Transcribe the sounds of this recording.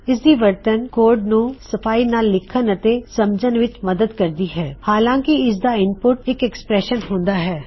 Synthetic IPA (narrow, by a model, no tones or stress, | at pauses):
ɪsd̪iːʋəɾt̪ənkoːɾɖnũːsəpʰaːiːnaːlːɪkʰːənət̪eːsəmd͡ʒənʋɪt͡ʃməd̪əd̪kəɾd̪iːɦɛːhaːlãːkɪɪs̬d̪aːɪnpʊʈɪkɛkspɾɛːʃənɦõːnd̪aːɦɛː